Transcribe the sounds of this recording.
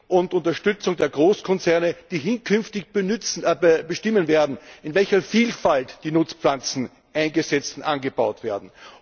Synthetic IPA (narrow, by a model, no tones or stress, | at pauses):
ʔʊntʊntɐʃtʏt͡sʊŋdeːɐɡʁoːskʰɔnt͡sɛɐnəd̥iːɦɪnkʰʏnftɪçbt͡sbəʃtɪmənveːɐdn̩ɪnvɛlçɐfiːlfaltd̥iːnʊt͡sp̪lant͡sn̩ | ʔæ̃ɪnɡəsɛt͡stn̩ʔanɡəbaʊtv̥eːɐdn̩